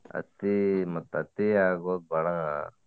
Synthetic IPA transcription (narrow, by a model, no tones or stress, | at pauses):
ɐ̰t̪imɐt̪ːɐt̪iaːɡoːd̪̚bɐɽɐŋa̰